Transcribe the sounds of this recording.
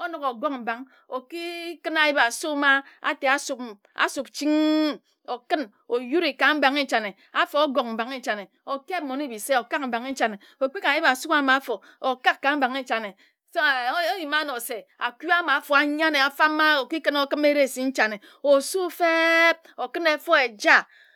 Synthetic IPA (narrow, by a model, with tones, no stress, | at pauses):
o˦no˨ko˨ɡo˦ŋm̩˨ba˨ŋ | o˨ki˦kɨ˦na˨ji˦ba˨su˦ma˦a̰˨te˨a˦su˨p | a̰˨su˨p̚t͡ʃi˦ŋ | o˨kɨ˦n | o˨ju˦ɾi˨ka˨m̩˦ba˨ŋe˦t͡ʃa˨ne˨ | a˦fo˨˦o˦ɡo˨km̩˨ba˨ŋe˦˨t͡ʃa˨ne˨ | o˨ke˦mo˨ni˦˨bi˨se˦o˨ka˦km̩˨ba˨ŋe˦t͡ʃa˨ne˨ | o˨k͡pi˦ka˨i˦ba˨su˦a˦ma˨˦fo˨ | o˨ka˦kːa˨m̩˦ba˨ŋe˦t͡ʃa˨ne˨ | sji˨ma˦no˨se˨a˨ki˦a˦ma˨˦fo˨a˨ɲa˦ne˨a˨fa˦mː˦a˦o˨ki˦kɨ˦no˦kɨ˦me˦ɾe˦˨si˨n̩˦t͡ʃa˨ne˨ | o˨su˦fe˦p̚o˨kɨ˦ne˨fo˦e˨d͡ʒa˦˨